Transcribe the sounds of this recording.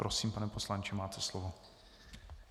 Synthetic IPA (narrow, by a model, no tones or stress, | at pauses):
ɾosiːmpanɛposlant͡ʃɪmaːt̪ʰɛslovo